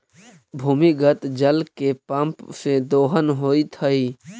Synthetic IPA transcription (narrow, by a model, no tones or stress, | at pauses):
bʱuːmiɡət̪d͡ʒəlkepə̃mpsed̪oːɦənɦoːit̪ʰəi